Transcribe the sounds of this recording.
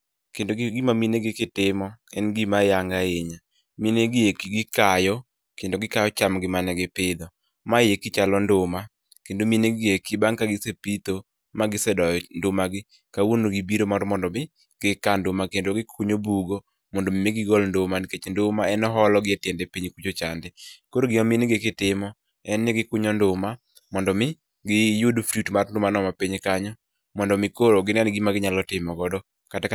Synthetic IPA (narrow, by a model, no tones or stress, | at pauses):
kendoɡɪmamineɡɪkɪtɪmɔɛnɡɪmajaŋɡaeɲa | mineɡɪekɡɪkajɔ | kendoɡɪkajɔt͡ʃamɡɪmanɛɡɪpɪd̪ɔ | majekɪt͡ʃalɔndʊma | kendomineɡɪekibaŋkaɡɪsepit̪o | maɡɪsɛdɔjɔndʊmaɡɪ | kawonoɡibiɾomɔɾmɔndɔmɪ | ɡ̥ɪkandʊmakendoɡɪkʰʊɲobuɡo | mɔndomimɪɡɪɡɔlndʊmanɪket͡ʃndʊmaɛnɔɦɔlɔɡɪɛtjɛndɛpiɲkud͡ʒot͡ʃa̰ndɛkoɾoɡɪɔminɪɡekɪtɪmɔ | ɛnːɪɡɪkʊɲɔndʊma | mɔndɔmɪ | ɡɪjʊdfɾutmarndʊmanɔmapiɲkaɲɔ | mɔndɔmɪkoɾoɡɪnɛnɡɪmaɡɪɲalɔtɪmɔɡɔdɔ | kata